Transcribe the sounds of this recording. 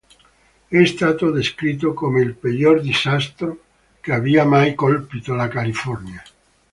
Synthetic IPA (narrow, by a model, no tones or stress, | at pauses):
est̪at̪oðeskɾit̪okomoelpeʎoɾd̪isast̪ɾo | keaβiamajkolpit̪olakalifɔɾnja